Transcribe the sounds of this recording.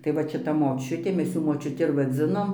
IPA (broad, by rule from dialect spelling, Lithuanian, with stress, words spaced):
tɐɪ ˈʋɐt ʃʲɪˈtɐ moːˈt͡ʃʲʊtʲeː ˈmʲɛs ˈjuː moːt͡ʃʲʊˈtʲɪ ɪr ʋɐˈd͡zʲɪnoːm